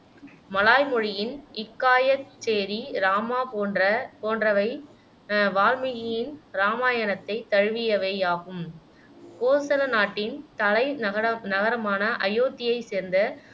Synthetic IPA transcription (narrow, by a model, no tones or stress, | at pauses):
mɐlaːjmɔɻɪjɪnɪkːaːjɐt͡ʃːeːɾiɾaːmaːpoɐpoːndrɐʋɐɪ | ʋaːlmɪɣɪjɪnɾaːmaːjɐnɐt̪ːɐɪt̪ɐɻɯʋɪjɐʋeːaːpɯm | koːsɐlɐnaːʈːɪnt̪ɐlɐɪnɐɣɐɾɐmaːnɐʔɐjoːt̪ːɪjɐɪseːɾnd̪ɐ